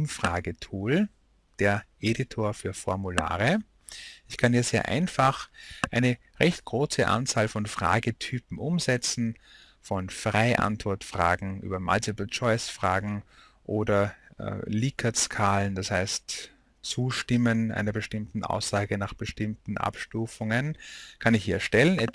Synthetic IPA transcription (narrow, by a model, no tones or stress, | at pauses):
ʊmfʁ̥aːɡətʰuːl | d̥eːɐʔeːditʰoːɐfyːɐfɔɐmula̰ːʁə | ɪçkʰaniɐz̥eːɐʔa̰ɪnfaχʔaɪnə | ʁɛçtɡ̥ʁoːsəʔã̰nt͡saːlfɔnfʁ̥a̰ːɡətʰyːpm̩ʔʊmzɛt͡sn̩ | fɔnfʁaɪʔa̰ntv̥ɔɐtfʁ̥a̰ːɡŋ̩ʔy̰ːbɐma̰ltʰɛpəl̩t͡ʃɔɪsfʁ̥aːɡŋ̩ | ʔoːdɐ̰ | liːkʰɐskʰaːlənd̥ashaɪst | t͡suːʃtɪmənʔa̰ɪnɐbəʃtɪmtn̩ʔa̰ʊsz̥aːɡənaːχb̥əʃtɪmtn̩ʔa̰pʃtuːfʊŋənkʰanɪçhiːɐʃtɛlənɛ